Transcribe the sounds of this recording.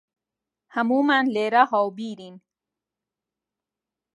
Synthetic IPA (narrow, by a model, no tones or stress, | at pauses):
hamuːmanleɾahɔwbiːɾin